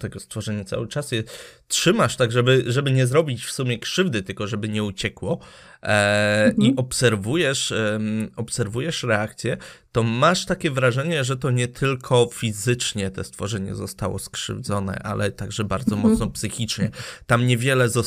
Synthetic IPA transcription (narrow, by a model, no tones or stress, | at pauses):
t̪ɛɡɔst̪fɔʐɛɲɛt̪sa̰wɘt͡ʂasjɛ | tʂɘmaʂt̪aɡʐɛbɘʐɛbɘɲɛzɾɔbʲit͡ɕfsumʲjɛkʂɘvd̪ɘt̪ɘlkɔʐɛbɘɲɛut͡ɕɛkwɔ | iɔpsɛɾvujɛʂ | ɔpsɛɾvujɛʂɾɛakt̪sʲjɛt̪ɔmaʂt̪akʲɛvɾaʐɛɲɛʐɛt̪ɔɲɛt̪ʰɘlkʰɔfʲizɘt͡ʂɲɛt̪ɛ̰st̪fɔʐɛɲɛ̰zɔst̪awɔ̰skʂɘ̰vd̪zɔnɛ̰ʔa̰lʔɛ̰t̪aɡʐɛbaɾd̪zɔmɔt̪snɔpsɘxʲit͡ʂɲɛt̪amɲɛvʲjɛlɛzɔ